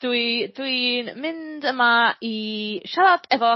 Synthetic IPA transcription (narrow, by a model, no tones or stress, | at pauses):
d̥widwinmɪndəmaiʃalˠadʰɛvɔ